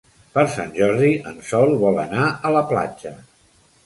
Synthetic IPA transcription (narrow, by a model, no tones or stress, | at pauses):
pəɾsa̰nʲʒɔɾðiʔənsɔlˠβɔlˠə̰naələpla̰d͡ʒə